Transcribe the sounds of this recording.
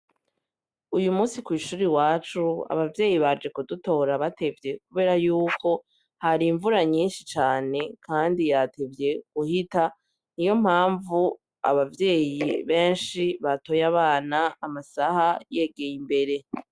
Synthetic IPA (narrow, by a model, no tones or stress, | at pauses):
ujumuːsikwiːʃuːɾiwaːt͡ʃua̰βavje̞ːjiβad͡ʒe̞kuduto̞ːɾaβate̞vje̞kuβe̞ːɾajuːko̞ | haɾiɱvuɾaɲiːnʃit͡ʃaːne̞kʰaːndijate̞vje̞ɡ̥uhita | nijo̞m̥haːɱvu | a̰βavje̞ːjiβe̞ːnʃiβato̞jaβaːnaːmasahaje̞ɡe̞jimbe̞ɾe̞